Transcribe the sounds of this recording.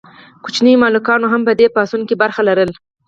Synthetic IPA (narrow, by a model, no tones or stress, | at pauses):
kut͡ʃnijmɑlukɑnoɦampəd̪epɑsunkibaɾxalaɾəl